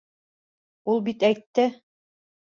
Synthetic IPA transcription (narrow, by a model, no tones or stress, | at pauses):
ulˠbit̪æjt̪ːɘ